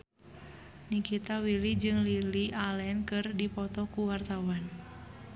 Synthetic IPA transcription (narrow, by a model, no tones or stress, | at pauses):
nikit̪awilid͡ʒɨŋliliʔalɛnkɨrdipɔt̪ɔkuwart̪awan